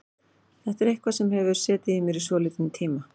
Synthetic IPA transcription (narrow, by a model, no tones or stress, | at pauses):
θɛht̪ɛɾehkvasɛmɦɛvʏɾ̥sɛːt̪ɪðimɪɾisvɔːlɪːt̪nt̪ʰiːma